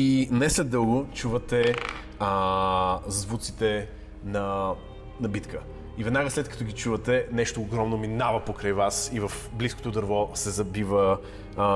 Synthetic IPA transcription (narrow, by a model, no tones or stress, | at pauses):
inɛslɛd̪ɤlˠɡot͡ʃuvət̪ɛ | zzvut̪sit̪ɛ | nɐ | nɐbit̪kʰə | ivɛd̪naɡəslɛt̪̚kɐ̥t̪oɡit͡ʃuvət̪ɛnɛʃt̪oːɡɾɔmnominavɐpokɾəjvasivɐf | blisko̥t̪od̪əɾvɔsɛzɐbivə